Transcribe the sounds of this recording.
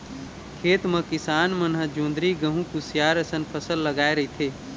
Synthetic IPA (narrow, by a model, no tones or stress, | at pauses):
kʰeːt̪mɐ̃kɪsaːnmɐnɦəd͡ʒõːnd̪ɾiɡɐ̃ɦũkusjaːɾɐsənpʰɐsəlːɐɡaːeɾɐɦit̪ʰeː